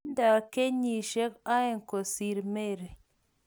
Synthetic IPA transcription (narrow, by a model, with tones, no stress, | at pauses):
nda˨ke˦ɲi˨ʃe˦ka˦e˦˨ŋ˨ko˨si˨ɾme˦˨ɾ